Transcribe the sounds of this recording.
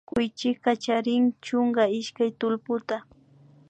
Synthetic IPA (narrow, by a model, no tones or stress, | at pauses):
kʊjt͡ʃɪkkat͡ʃaɾɪŋt͡ʃʊŋɡaɪʃkajt̪ʊlpʊt̪a